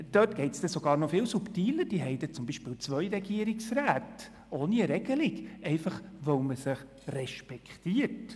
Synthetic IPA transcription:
d̥øːtɡ̥ɛɪtsd̥̪ɛsoɡɑːɾnɔfɪːwsuptiːləɾd̥iːɦɛɪd̥̪ɛt͡sʊmbiʃpɪːlt͡sʋœjɾɛɡiəɾiksɾæːt | oːniəɾɛɡ̥əlɪɡɛɪfɑχʋœwməsəχ | rɛʃpɛkχtiːəɾt

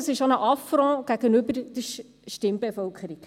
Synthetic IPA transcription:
sɪʃonəʔɑfɾɔ̃ːɡ̥æɡ̥ənybəɾd̥ə | ʃtɪmbefœlkʰəɾik

